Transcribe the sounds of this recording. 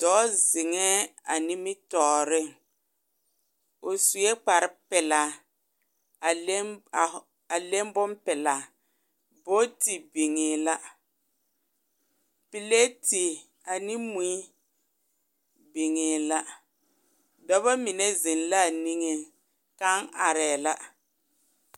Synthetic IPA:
d̥ɔː˦zɪ˨ŋɛ˦a˨nɪ˦mɪ˦tɔː˨ɾɪ˦˨ŋ | ʊ˨su˨e˦k͡pa˨ɾɪ˦pɛ˨la˨˦˨ | a˨le˦m˦bʊ˦mpɛ˨la˨ | bo˦ti˨bi˨ŋeː˨la˦ | pi˨le˦ti˨ | a˨nɪ˦mu˨˦i˦ | bi˨ŋeː˨la˦ | dɔ˦βa˦mi˨ne˦zɪ˨nla˦˨ni˦ŋe˦ | ka˦ŋʔa˨ɾɛ˨la˦

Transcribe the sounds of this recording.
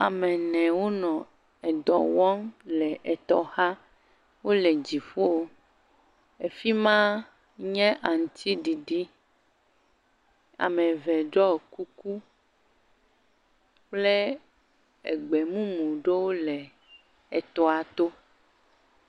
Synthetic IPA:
a˨mɛ̃˨nɛ̃˨wo˦nɔ̃˨ | ɛ˨d̪ɔ̰˨wɔ̃˦ŋlɛ˨ʔɛ˨t̪ɔ˦ha˦ | wo˦lɛ˨d͡ʑi˨fo˦o˦ | e˨fi˦mã˦ | ɲɛ̃˦ʔa˨ŋ̩˨t̪i˦ɖi˨ɖi˦ | a̰˨mɛ̃˨vɛ˨ɖɔ˦˨ku˦ku˦ | k͡ple˦ | ɛ̰˨ɡ͡bɛ˨mũ˦mũ˨ɖe˦wo˦lɛ˨ | ɛ˨t̪ɔ˦a˨t̪o˦

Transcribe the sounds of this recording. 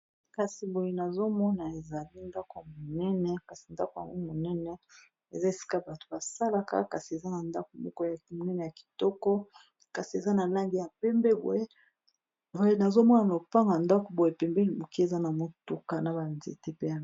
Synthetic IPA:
ka˨si˨bo˨je˨na˨zo˦mɔ˦na˨e˨za˨li˦nda˦ko˨ja˨mo˨nɛ˦nɛ˦ka˨si˨nda̰˦ko˨ja̰˨ŋɡo˦mo˨nɛ˦nɛ˦ | e˨za˦e˨si̥˦ka˦ba˨to̥˨ba˨sa˦la˦ka̰˦ka˨si˨e˨za˦na˨nda˦ko˨mo̰˦ko˦ja˨mo˨nɛ˦nɛ˨ja˨ki̥˨tɔ˦kɔ˦ | ka˨si˨e˨za˦na˨la˦ŋɡi˦ja˨pɛ˦mbɛ˦bo̰˨je˦ | o˦e˦na˨zo˦mɔ˦na˨a˨o˨pa˦ŋɡa˨nda˦ko˨bo˨je˨pɛ˨mbe˦li˨bo˨ki˦e˨za˦na˨mo˦tu˨ka˦na˨ba˨nzḛ˨te˦pe˦ja˨

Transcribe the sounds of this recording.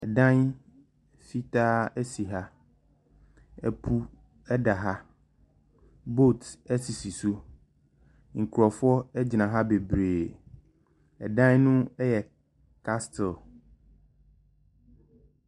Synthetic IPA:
ɛ˨dã˦n | fi˦taː˦ɛ˦si˨ɦa˦ | ɛ˨pʰu˦ | ɛ˦da˨ɦa˦ | bo˦˨tɛ˦si˨si˨su˦ | ŋ̩˨kʰu˨ɾɔ˨fʊ˦ɔ˦ɛ˦d͡ʑnã˨ɦa˦be˨bɾeː˨ | ɛ˨dã˦nnʊ̃˦ɛ˦jɛ˨ | kʰa˦stɪ˨l

